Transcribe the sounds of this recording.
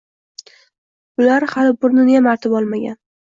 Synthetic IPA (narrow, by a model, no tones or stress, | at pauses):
ʊlaɾhalɪbʊɾnɪnjamaɾt̪ʰɪbɒlˠmaɡʲa̰n